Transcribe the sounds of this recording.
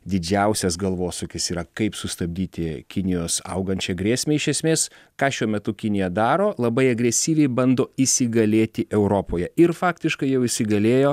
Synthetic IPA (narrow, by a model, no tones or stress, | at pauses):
d̪ʲɪd͡ʒʲɛʊsʲɛsɡɐlˠʋoːsʊkʲɪsiːɾɐkɐɪpsʊst̪ɐbʲd̪ʲiːt̪ʲɪkʲɪnʲɪjoːsɐ̰ʊɡɐnʲt͡ʃʲɛɡɾʲeːsʲmʲeːɪʃʲɛsʲmʲeːs | kɑːʃʲuɔmʲɛt̪ʊkʲɪnʲɪjɛd̪ɑːɾoːlˠɐbɐɪɐɡɾʲɛsʲiːʋʲɛɪbɐnd̪oːisʲɪɡɐlʲeːt̪ʲɪʔɛʊɾoːpoːjɛɪɾfɑːkt̪ʲɪʃkɐɪjɛʊɪsʲɪɡɐlʲeːjoː